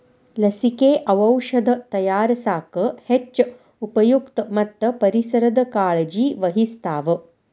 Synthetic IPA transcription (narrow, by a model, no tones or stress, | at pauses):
lɐsikeːʔɐʋɐwʂɐd̪ɐt̪ɐjaːɾɐsaːkɐhet͡ʃː | upɐjukt̪ɐmɐt̪ːɐpɐɾisɐɾɐd̪ɐkaːɭɐd͡ʒiːʋɐɦist̪aːʋɐ